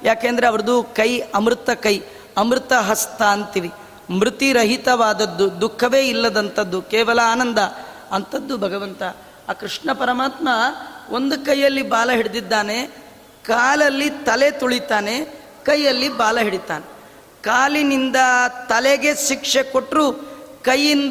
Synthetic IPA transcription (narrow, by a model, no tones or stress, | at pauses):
jaːkeːnd̪ɐɾeɐʋɐɾɐd̪ukɐjɐmɾt̪ɐkɐj | ɐmɾɯt̪ɐɦɐst̪aːnt̪iʋi | mɾut̪iɾɐɦit̪ɐʋaːd̪ɐd̪ːud̪ukʰːɐʋe̞ːilːɐd̪ɐnt̪ɐd̪ːukeːʋɐlɐaːnɐnd̪ɐ | ɐnt̪ɐd̪ːubʱɐɡɐʋɐnt̪ɐ | aːkɾiʂɳɐpɐɾɐmaːt̪mɐo̞nd̪ukɐjːɐlːibaːlɐɦiɽid̪id̪ːaːne̞ | kaːlɐlːit̪ɐle̞t̪uɭit̪aːne̞ | kɐjːɐlːibaːlɐɦiɽit̪a̰ːne | kaːlinind̪ɐt̪ɐleɡeʃikʂeko̞ʈɾukɐjːin